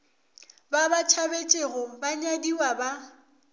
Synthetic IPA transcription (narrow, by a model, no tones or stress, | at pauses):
babat͡ʃʰabet͡ʃʼeɣɔbaɲadiwaba